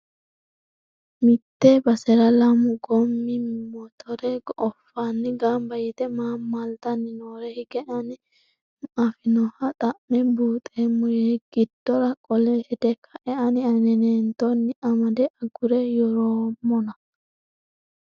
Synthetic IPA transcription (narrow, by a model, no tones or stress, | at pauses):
mɪt̪ːɛbɐsɛɾɐlɐmʊɡɔmːɪmɔt̪ʰɔɾɛɡʔɔfːaːnːɪɡambɐjɛt̪ɛmaːmːalt̪ɐnːɪnoːɾɛhɪɡɛʔɐnɪ | ɐfɪnɔhɐt̪ʼɐʔmːɛbuːt̪ʼeːmːʊjɛɡ̥ɪd̪̥ːɔɾɐkʼɔlɛhɛd̪ɛkʰɐʔɛʔɐnɪɐnɛneːnt̪ɔnːɪʔɐmɐd̪ɛʔɐɡʊɾɛjɔɾoːmːɔnɐ